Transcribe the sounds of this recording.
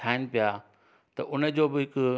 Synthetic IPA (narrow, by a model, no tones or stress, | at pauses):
aːɪnɪ̆pija | t̪ɐʔʊnə̆d͡ʑoːbɪɦɪkʊ